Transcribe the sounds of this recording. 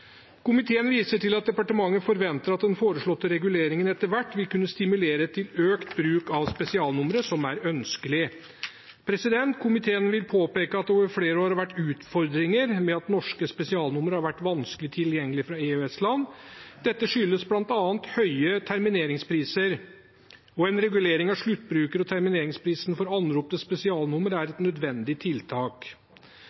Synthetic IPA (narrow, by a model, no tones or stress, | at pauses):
kʊmɪt̪ʰeːənʋiːsəʈɪlɑt̪̚d̪ɛpɑʈəmɑŋːəfɔɾʋɛnt̪əɾɑt̪̚d̪ɛnfoːɾəʂɭɔt̪ːəɾɛɡʉleːɾɪŋənɛt̪əɾʋæʈːʋɪlkʉnːəst̪ɪmʉleːɾət̪ʰɪløːkt̪bɾʉːkɑʋspɛsɪɑːlnʊmɾəsɔmæɾœnskəlɪ | pʰɾɛsɪd̪ɛnt̪kʰʊmɪt̪ʰeːənʋɪlpʰoːpeːkəɑt̪̚ɛoːʋəɾfleːɾəoːɾɑʋæʈːʉːt̪fɔɾd̪ɾɪŋəɾmɛɑt̪nɔʂkəspɛsɪɑːlnʊməɾhɑɾʋæʈːʋɑnskəlɪt̪ʰɪljɛŋːəlɪfɾɑeːøɛslɑnd̪̥ɛt̪ːəʂʏlːəsblɑnt̪ɑːnt̪hœʏət̪ʰæɾmɪneːɾɪŋspʰɾiːsəɾ | ɔɛnɾɛɡʉleːɾɪŋɑʋʂɭʉt̪ːbɾʉːkəɾɔt̪ʰæɾmɪneːɾɪŋspʰɾiːsnfɔɾɑnɾuːpnəspɛsɪɑːlnʊməɾæɾɛt̪nœd̪ʋɛnd̪ɪt̪ʰɪlt̪ʰɑːk